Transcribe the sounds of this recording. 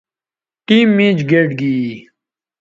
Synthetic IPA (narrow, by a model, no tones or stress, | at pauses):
ʈiːmːĩːd͡ʑɡeːʈɡiː